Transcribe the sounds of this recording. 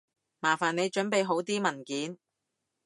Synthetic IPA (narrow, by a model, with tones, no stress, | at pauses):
maː˨˩faː˨˩ne˨˧jt͡ʃɵ˨˥npe˨˧jɦo˨˥wt̪iː˥mɐ˨˩nkiː˨˥n